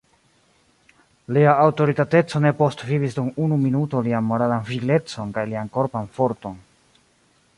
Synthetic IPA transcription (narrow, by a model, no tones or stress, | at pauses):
liaːwto̞ɾitate̞t͡so̞ne̞po̞stvivisdumunuminuto̞lianmo̞ɾalanfile̞t͡so̞nkajlianko̞ɾpanfo̞ɾto̞n